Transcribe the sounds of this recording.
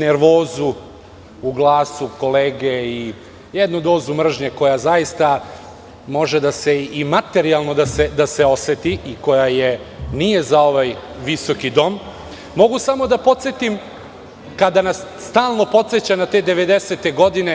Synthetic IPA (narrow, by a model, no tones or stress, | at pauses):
ne̞ɾʋo̞ːzu | uɡlˠaːsuko̞leːɡei | jed̪nud̪o̞ːzumr̩ʒɲeko̞jazajist̪a | mo̞ʒed̪ase̞imat̪e̞ɾialˠno̞d̪ase̞d̪ase̞o̞set̪iʔiko̞jaje̞nije̞zao̞ʋaj | ʋiso̞kid̪o̞mː | o̞ɡusamo̞d̪apo̞t̪set̪im | kad̪anasːt̪aːlˠno̞po̞t̪set͡ɕanat̪e̞ːd̪e̞ʋe̞d̪e̞set̪eɡo̞d̪ine̞